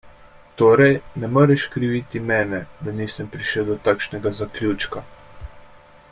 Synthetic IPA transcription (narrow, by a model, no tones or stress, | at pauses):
t̪oːɾɛjnɛmoɾɛʃkɾiʋit̪imɛːnɛd̪aniːsəmpɾiʃəwd̪ɔt̪akʃnɛɡazaklʲut͡ʃka